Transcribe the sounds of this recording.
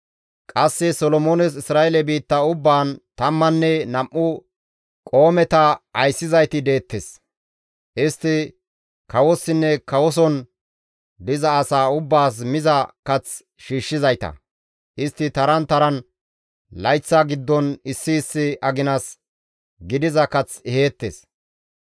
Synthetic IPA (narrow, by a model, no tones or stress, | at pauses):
kʼɐsːɛsɔlɔmoːnɛs̬ɪsɾaːɛlɛbiːt̪ːɐʊbːaːnt̪ɐmːɐnːɛnɐmʔʊ | kʼo̞ːmɛt̪ɐɐjsːɪzɐjt̪ɪd̪e̞ːt̪ːɛs | ʔɪst̪ːɪ | kɐwɔsːɪnːɛkɐwɔs̬ɔn | d̪ɪzɐːsaːʊbːaːs̬mɪzɐkɐt͡s | ʃiːʃːɪzɐjt̪ɐ̰ | ʔɪst̪ːɪt̪ɐɾɐnt̪ɐɾɐn | lɐjt͡sːaɡɪd̪ːɔnɪsːɪːsːɪɐɡɪnɐs | ɡɪd̪ɪzɐkɐt͡sɛheːt̪ːḛs